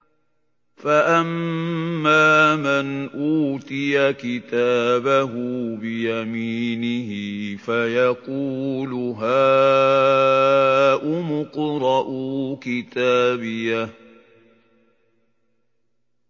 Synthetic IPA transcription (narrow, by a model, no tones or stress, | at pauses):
faʔamː | aːmanʔuːt̪ɪjakɪt̪aːbaɦʊbɪjamiːnɪhɪfajɑquːlʊɦaː | ʔʊmʊqɾˤɑʔʊkɪt̪aːbɪja